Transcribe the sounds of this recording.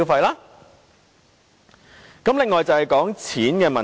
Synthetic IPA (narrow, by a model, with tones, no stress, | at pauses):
wfɐ˧jlaː˥ | kɐ˨˥mlɪ˨ŋːɔː˨jt͡sɐ˨˧whɐ˨jkɔː˨˥ŋt͡sʰiː˨˥nkɛː˧mɐ˨˩